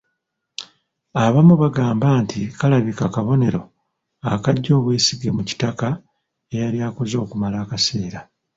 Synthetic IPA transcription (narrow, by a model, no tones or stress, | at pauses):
aβamuβaɡaːmbaːntʰikalaβikakaβo̞ne̞ɾo̞ | akaɟːo̞ːβweːsiɡe̞muci̥taka | e̞jaɾjaːko̞zo̞ːkumalaːkase̞ːɾa